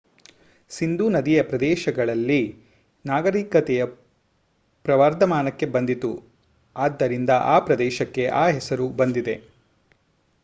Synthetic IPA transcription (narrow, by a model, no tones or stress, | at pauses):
sind̪uːnɐd̪ijɐpɾɐd̪ɛːʃɐɡɐɭɐlːi | naːɡɐɾiːkɐt̪ɛjɐ | pɾɐʋaːɾd̪ɐmaːnɐkːe̞bɐnd̪it̪u | aːd̪ːɐɾind̪ɐʔaːpɾɐd̪ɛːʃɐkːe̞ʔaːɦɛsɐɾubɐnd̪id̪e̞